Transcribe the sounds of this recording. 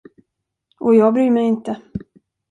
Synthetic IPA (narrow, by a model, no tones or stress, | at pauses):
ʔɔjɑːɡbɾyːmɛjɪnt̪ə